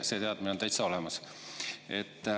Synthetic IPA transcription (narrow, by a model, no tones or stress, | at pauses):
se̞ːt̪eɑd̪̥̚miot̪æjt̪sɑo̞lemɑs | et̪ː